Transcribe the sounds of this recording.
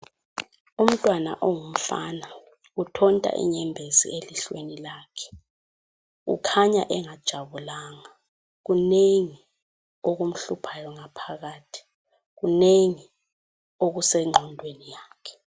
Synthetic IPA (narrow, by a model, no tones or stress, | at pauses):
um̩tʼwana̰ʔɔŋum̩fa̰na | utʰɔntʼa̰ʔḭɲɛmbʱezḭeliɬwenilaːkʰɛ̥ | ṵkʰaɲaʔɛŋad̥ʒ̥ʱaβulaːŋa | ɣuneŋi | oɣum̩ɬupʰajɔŋapʰaɣaːtʰi̥ | ɣuneŋi | oɣusɛŋ͡ǃʱɔndʱwenijaːkʰɛ̥